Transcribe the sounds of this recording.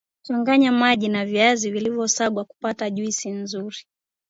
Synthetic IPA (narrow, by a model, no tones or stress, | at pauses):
t͡ʃɔŋɡaɲamaʄinaviazivilivjɔsaɡwaku̥pataʄuisinzuɾi